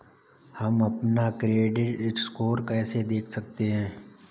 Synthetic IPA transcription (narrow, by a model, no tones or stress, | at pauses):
hɐmɐpnakɾieːɖɪʈɪkskoːɾkɛːsed̪eːkʰsɐk̚t̪eɦɛ̃ː